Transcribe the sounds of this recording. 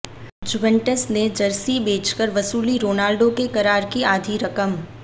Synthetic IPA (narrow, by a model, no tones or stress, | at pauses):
d͡ʒuʋẽɳʈəsned͡ʒɐɾsibeːt͡ʃkəɾʋɐsuːliɾoːnaːlɖokekɐɾaːɾkiaːd̪ʱiɾɐkəm